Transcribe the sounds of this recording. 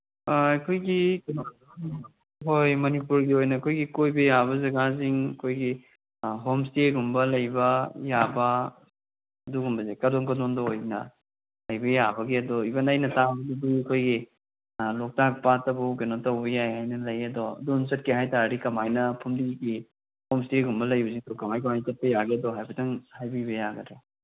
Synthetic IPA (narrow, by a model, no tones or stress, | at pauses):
ɐkʰojɡikeno | ɦojmɐnipuɾɡiojnɐːkʰojɡikojbɐjabɐzɐɡaziŋɐkʰojɡi | ɦomsteɡumbɐlɐjbɐjabɐ | duɡumbɐzekɐdɔŋkɐdondɔojnɐ̰ | lɐjbɐjabɐɡiɐdɔibɐnajnɐtabɐduduɐkʰojɡi | lɔk̚tak̚patɐbuɡenɔtɐwbɐjajhajnɐlɐjɐdɔɐ̰dɔnsɐt̚keɦajtaɾɾikɐmajnɐpʰumdiɡi | homsteɡumbɐlɐjbɐziŋdɔkɐmajkɐmajtɐt̚pɐjaɡeɐdɔɦajbɐtɐŋhajbibɐjaɡɐdɾa